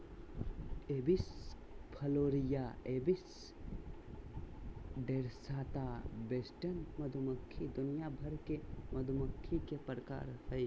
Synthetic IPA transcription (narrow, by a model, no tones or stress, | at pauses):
ebis | pʰəloɾijaebis | ɖeɾsaːt̪abesʈənməd̪ʱuməkʰːid̪unijabʱəɾkeməd̪ʱuməkʰːikepɾəka̰ɾhəj